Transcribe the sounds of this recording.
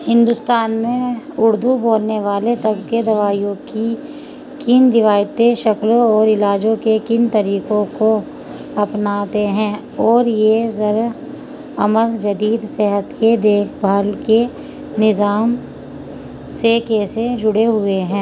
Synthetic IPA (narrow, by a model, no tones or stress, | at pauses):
hɪ̃nd̪ʊst̪aːnmẽʊɾd̪uboːlneʋaːlet̪ɐbked̪ɐʋaːijõki | kɪnɾɪʋaːjt̪eʃɐklõɔːɾɪlaːd͡ʒõkekɪnt̪ɐɾiːkõko | ɐpnaːt̪eɦɛ̃ | ɔːɾjezɐɾ | ɐməld͡ʒɐd̪iːd̪seɦət̪ked̪eːkʰbʱəlke | nɪzaːm | sekeːsed͡ʒʊɽeɦʊeɦɛ̃ː